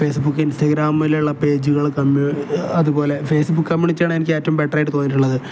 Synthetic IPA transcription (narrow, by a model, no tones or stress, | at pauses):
fe̞ːsbukːɨinstɐɡɾaːmʋɐlejuɭːɐpe̞ːd͡ʑuɣɐɭkɐmɐðubo̞ːle̞fe̞ːsbukːkɐmːiuɳit͡ɕːaːɳɨenikʲːɨeːtːɐʋumbeʈːɐrɐjʈːɨt̪o̞ːnːiʈ̬ːuɭːɐðɨ